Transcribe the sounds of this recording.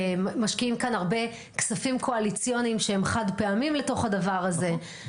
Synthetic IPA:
maʃkiimkanaʁbe̞ | ksafimkʰo̞alit͡sijonimʃehemχadpeamimle̞to̞χadavaʁaze̞

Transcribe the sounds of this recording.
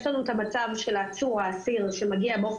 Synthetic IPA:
ʃlanuet̪amat͡savʃelːt͡suʁaːsiʁʃe̞maɡiabeof

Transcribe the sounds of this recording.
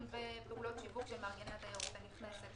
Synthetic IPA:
mvepeulo̞t̪ʃivukʃemaʁɡenat̪ajaʁut̪aniχneset̪

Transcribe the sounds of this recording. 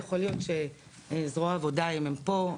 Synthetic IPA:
jeχoljo̞t̪ʃe̞ | zʁoaːvo̞daomempo̞

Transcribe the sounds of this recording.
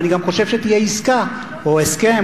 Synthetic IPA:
niɡamkoʃefʃet̪iaiska | oeske

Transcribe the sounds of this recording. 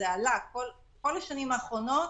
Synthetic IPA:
ealakkol | ko̞laʃanimaːχʁo̞no̞

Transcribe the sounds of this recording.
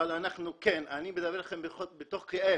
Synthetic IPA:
alanaχnukenanimed̪abelaχembeχobet̪oχkeʔe

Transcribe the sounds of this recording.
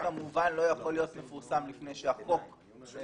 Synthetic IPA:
kamuvanlo̞jaχo̞lijo̞t̪mefuʁsamlifne̞jʃeako̞k

